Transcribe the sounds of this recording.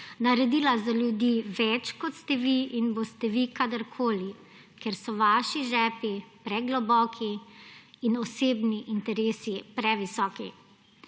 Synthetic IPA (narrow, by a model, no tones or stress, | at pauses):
naɾɛd̪iːlazaljud̪iʋɛt͡ʃkɔt̪st̪ɛʋiinbost̪ɛʋikad̪əɾkʰoːli | kɛɾsɔʋaːʃiʒɛːpipɾɛɡlɔbɔːkʰiː | nɔseːbniʔint̪ɛɾeːsipɾɛʋisɔːki